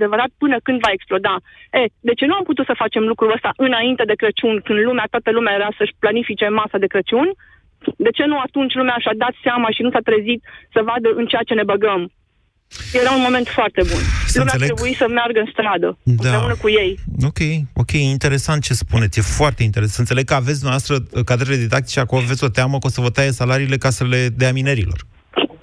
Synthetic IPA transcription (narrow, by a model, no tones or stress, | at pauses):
d̪e̞vəɾat̪̚pɨnəkɨnd̪vae̞ksplo̞d̪a | e̞d̪e̞t͡ʃe̞nuamput̪ut̪səfat͡ʃe̞mlukɾuəst̪aʔɨnaint̪e̞d̪e̞kɾət͡ʃunʲkɨnd̪lumeat̪oat̪əlumeajeɾasəʃplanifit͡ʃe̞masad̪e̞kɾət͡ʃunʲ | d̪e̞t͡ʃe̞nuat̪unt͡ʃʲlumeaʃad̪at̪seamaʃinusat̪ɾezit̪səvad̪əʔɨnt͡ʃejat͡ʃe̞ne̞bəɡəm | je̞ɾaunmo̞me̞nt̪foart̪e̞bunsluumeaseleɾebuisəmearɡəɨnst̪ɾad̪ədmp̪aɾeunəkuje̞jo̞kʲe̞jo̞kʲe̞jeint̪e̞ɾe̞sant̪̚t͡ʃe̞spune̞t̪sʲjefoart̪e̞int̪eesəɨnele̞ɡ̚kəaves̬ʲd̪umɛavwast̪ɾəkad̪ɾele̞d̪id̪ak̚t̪it͡ʃeakoloavesʲo̞t̪eaməkosəvət̪ajesalaɾiːle̞kasəle̞d̪eamineɾilo̞̰r